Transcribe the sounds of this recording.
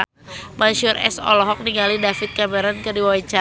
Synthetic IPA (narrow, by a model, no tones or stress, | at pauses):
manʃʊrɛ̰sɔ̰lɔɦɔk̚niŋalidafɪt̪̚kamɛɾɔnkərdiwait͡ʃa